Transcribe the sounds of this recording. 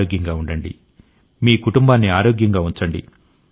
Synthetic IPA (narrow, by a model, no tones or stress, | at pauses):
oːɡjɐŋɡaːuɳɖɐɳɖḭ | miːkuʈumbaːnːiaːɾoːɡjɐŋɡaːuɲt͡ʃɐɳɖḭ